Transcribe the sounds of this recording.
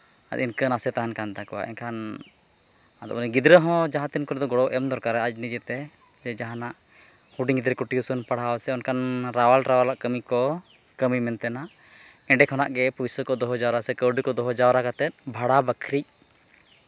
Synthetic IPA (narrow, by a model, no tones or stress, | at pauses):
a̰t̪inkənasɛt̪aɦankant̪akɔwa̰ʔɛ̰nkʰan | ad̪ɔ̰bəniɡid̪ɾəɦɔ̃d͡ʒaɦãt̪inkɔɾɛd̪ɔɡɔɽɔwʔɛmd̪ɔɾkaɾɛad͡ʒ̚nid͡ʒɛt̪ɛ | d͡ʒɛd͡ʒaɦãnaʔ | huɖiŋɡid̪ɾəkuʈiusənpaɽ̤aɔsɛɔnkanɾawalɾawalaʔkəmikɔ | kəmimɛnt̪ɛnaʔ | ɛ̃ɳɖɛkʰɔna̰ʔɡɛpusəkɔd̪ɔɦɔd͡ʒawɾasɛkəwɖikɔd̪ɔɦɔd͡ʒawɾakat̪ɛt̪̚bʱaɽabəkʰɾic̚